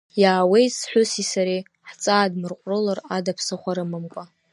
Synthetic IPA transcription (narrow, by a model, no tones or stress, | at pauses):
jaːwejsħʷʊsisaɾe | ħt͡sʼaːdmɨrqʷʼrɨlaradapʰsɨχʷaɾɨmɨmkʷʼa